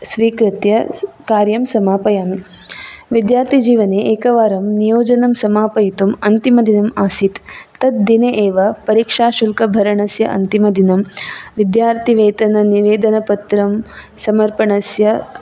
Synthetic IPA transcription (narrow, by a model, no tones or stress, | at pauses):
sʋiːkɾɪt̪jɐ | kaːɾjɐmsɐmaːpɐjaːm | ʋid̪jaːɾt̪ʰid͡ʒiːʋɐneːʔeːkɐʋaːɾɐmnijoːd͡ʒɐnɐmsɐmaːpɐjit̪umɐnt̪imɐd̪inɐmaːsit̪ːɐt̪̚d̪ineʔeːʋɐpɐɾiːkʂaːʃulkɐbʱɐɾɐɳɐsjɐʔɐ̰nt̪imɐd̪inɐmʋid̪jaːɾt̪ʰiʋeːt̪ɐnɐniʋeːd̪ɐnɐpɐt̪ɾɐm | sɐmɐɾpɐɳɐsjɐ